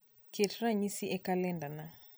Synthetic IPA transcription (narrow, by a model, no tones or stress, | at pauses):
ketɾaɲisiʔɛkalɛndana